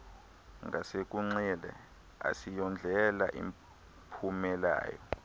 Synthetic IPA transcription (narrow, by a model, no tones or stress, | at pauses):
ŋɡʱasek̬ʼuŋ͡ǀɛlɛ̰ | a̰sijɔnd͡ɮʱɛla̰ʔḭm | pʰumɛla̰ːjɔ